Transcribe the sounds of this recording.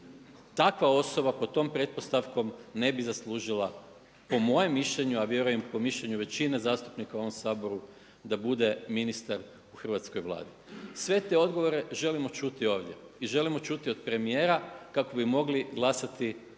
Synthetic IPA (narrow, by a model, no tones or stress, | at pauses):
t̪akʋao̞so̞bapot̪o̞ːmpɾe̞t̪̚po̞st̪aʋko̞mne̞bizaslˠuːʒilˠa | po̞mo̞je̞mːiʃʎe̞ɲuaʋje̞ɾuje̞mpo̞miʃʎeɲuʋe̞t͡ɕinezaːst̪upnikauo̞ʋomsaːbo̞ɾu | d̪abud̪e̞minist̪aɾ | uxr̩ʋat̪sko̞jʋlˠa̰ːd̪isʋe̞t̪e̞o̞d̪ɡo̞ʋo̞ɾe̞ʒe̞limo̞t͡ʃut̪io̞ːʋd̪je̞̰iʒe̞limo̞t͡ʃut̪io̞d̪̚pɾe̞mije̞ːɾakako̞bimo̞ɡliɡlˠasat̪i